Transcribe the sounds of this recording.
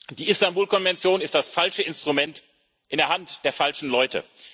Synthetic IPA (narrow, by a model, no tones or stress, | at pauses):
d̥iːʔɪstambuːlkɔnvɛnt͡sjoːnɪst̚d̥asfalʃəɪnstʁ̥umɛnt | ʔɪndeɐɦantd̥eːɐfalʃn̩lɔʏtʰə̰